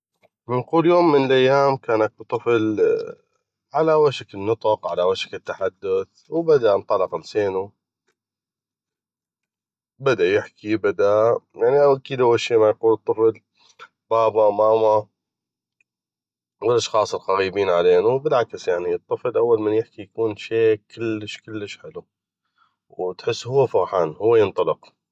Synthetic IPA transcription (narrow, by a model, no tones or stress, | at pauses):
mɪnquːljoːmːɪnəlʔajːaːmkaːnak̚bt̪ˤːɨfl | ʕalawaʃakɪnːɨt̪ˤɑqʕalawaʃḁkɪt̪ːaħad̪ːʊθ | wbad̪aʔnt̪ˤɑlɑqɪlseːnu | bad̪ajɪħkibad̪ajaʕniʔawʔakiːd̪ʔawːalʃiːmajquːlɨt̪ˤːɨfl | b̥aːbamaːma | wɪlʔɑʃxɑːsˤɨlɣaɣiːbiːnʕaleːnubɪlʕakɪsjaʕniɨt̪ˤːɨflʔawːalmanjɪħkijakuːnʃeːkʰɪlːəʃkɪlːəʃħɪlu | wt̪ħɪsːhʊwːafɑɾˤħaːnhʊwːajɪnt̪ˤɑlɪq